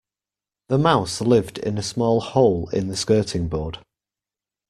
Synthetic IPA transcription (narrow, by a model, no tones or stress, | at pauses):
ðəmaʊslɪvdɪ̰̃nəsmɔːlˠhoʊlɪ̰̃nðəskɜˑtʰɪ̃ŋbɔːd̥